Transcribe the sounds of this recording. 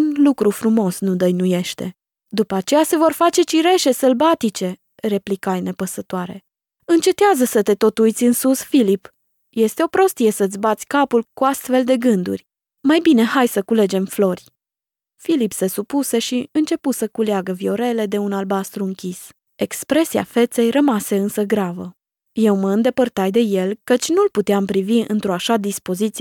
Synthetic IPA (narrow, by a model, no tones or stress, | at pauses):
unlukɾufɾumo̞snud̪əjnuje̞ʃt̪e̞̰ | d̪upəat͡ʃe̞jase̞vo̞rfat͡ʃe̞t͡ʃiɾe̞ʃe̞səlbat̪it͡ʃe̞ | re̞plikajne̞pəsət̪oaɾe̞ | ɨnt͡ʃe̞t̪eazəsət̪e̞t̪o̞t̪ujt̪sʲɨnsusfilip | je̞st̪e̞o̞pɾo̞st̪ije̞səɨt̪sʲbat̪sʲkapulkuast̪fe̞ld̪e̞ɡɨnd̪ṵrʲ | majbine̞ɦajsəkule̞d͡ʒe̞mflo̞rʲ | filipse̞supuse̞ʃiɨnt͡ʃe̞pusəkuleaɡəvio̞ɾe̞le̞d̪e̞unalbast̪ɾuɨŋkʲis | e̞kspɾe̞sia̰fe̞t̪se̞jrəmase̞ɨnsəɡɾavə | je̞wməɨnd̪e̞pərt̪ajd̪e̞je̞lkət͡ʃʲnulput̪eampɾiviɨ̰nt̪ɾo̞aʃad̪ispo̞zit̪si